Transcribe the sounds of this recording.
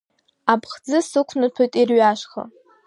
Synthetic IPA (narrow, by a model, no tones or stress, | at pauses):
apʰʼχd͡zɨsɨkʷʰnɨpʰojtʼirɥaʃχa̰